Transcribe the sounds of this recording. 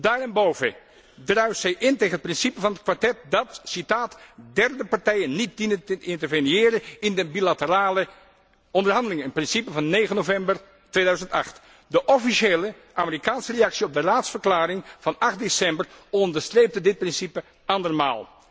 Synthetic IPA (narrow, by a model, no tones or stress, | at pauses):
daːɹɛnbowvə | drœɥwsɛjʔɪnteːχənət̚prɪnsipəvɑnət̚kʋaɹtɛt̚dɑtsitaːtdɛrdəpaɹtɛjənːit̚dinətəɪntəɹvənjɪːɾəɪndəbilatəraːlə | ɔndərɦɑndəlɪŋəənprɪnsipəvɑnːejχənovɛmbər | tʋejdœɥzəntɑ̰χt | dəʔɔfiʃeːlə | ʔaːmərikaːnsərejɑksiɔb̚dəraːtsfəɹklaːɾɪŋv̥ɑnɑχt̚desɛmbərɔndəɹstrejp̚tədɪt̚prɪnsipə | ʔɑndərma̰ːlˠ